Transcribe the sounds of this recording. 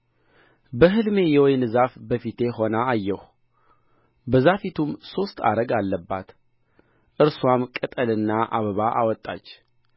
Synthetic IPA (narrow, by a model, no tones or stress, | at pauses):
bəɦɨlme̞jɛwɔjnɨzafbəfit̪ʰe̞ho̞naːjːɛh | bəzafit̪ʰumso̞st̪ʰa̰ɾəɡalːəbːat̪ | ʔɨɾswamkʼət̪ʼəlɨnːaʔaβəβaʔa̰wɔt̪ʼːa̰t͡ʃː